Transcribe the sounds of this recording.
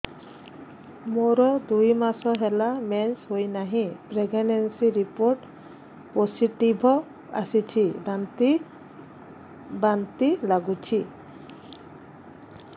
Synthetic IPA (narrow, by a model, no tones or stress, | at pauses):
moɾɔd̪ujmasɔɦɛlamɛnsɦojnaɦĩpɾeɡenensiɾipoɾʈ | posiʈibʱɔ | a̰sit͡ʃʰibant̪i | bant̪ilaɡut͡ʃʰi